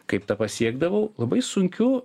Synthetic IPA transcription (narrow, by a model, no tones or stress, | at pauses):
kɐɪpt̪ɐpɐsʲiɛɡd̪ɐʋɐʊlˠɐbɐɪsʊŋʲkʲʊ